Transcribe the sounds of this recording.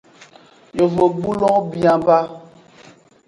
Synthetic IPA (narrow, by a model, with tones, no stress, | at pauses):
jo˨vo˨ɡ͡bu˦lɔ̃˦bi˨a˨ba˦